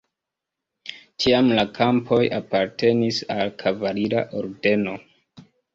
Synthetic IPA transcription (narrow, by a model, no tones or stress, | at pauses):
t͡ʃiamlakʰampʰo̞japaɾte̞nisalkʰavaɾiɾa̰ʔo̞ɾde̞no̞